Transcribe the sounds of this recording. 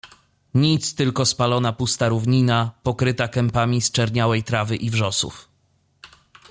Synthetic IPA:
ɲit̪st̪ɘlkɔspalɔnapust̪aɾuvɲinapɔkɾɘt̪akɛmpamʲist͡ʂɛɾɲawɛjt̪ɾavɘʔivʐɔsṵf

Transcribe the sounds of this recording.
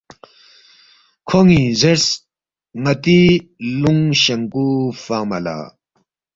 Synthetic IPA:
kʰoŋizes | ŋɐt̪iluŋɕɐŋkufaːmɐla̰ː

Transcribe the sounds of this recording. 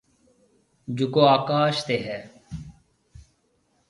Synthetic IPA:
d͡ʒukoːaːkaːʃt̪eːɦɛː

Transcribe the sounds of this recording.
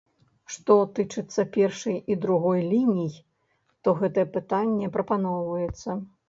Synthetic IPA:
ʂt̪ɔt̪ɨt͡ʂɨt̪sːɐpʲɛrʂɐjid̪ɾuɣɔjlʲinʲij | t̪ɔɣɛt̪ɐjɛpɨt̪anʲːɛpɾʔɐpanɔwvɐjɛt̪sːɐ

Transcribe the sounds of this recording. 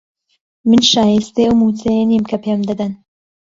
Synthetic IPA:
mɨnʃaːjist̪euwmut͡sejenimkʰɐpʰemd̪ɐd̪ɐn

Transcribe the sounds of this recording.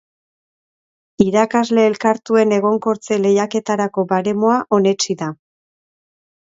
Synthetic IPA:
iɾakazle̞ːlkaɾt̪ue̞ne̞ɣ̞o̞ŋko̞ɾt͡se̞le̞jake̞t̪aɾako̞baɾe̞mo̞aʔo̞ne̞t͡ʃiða

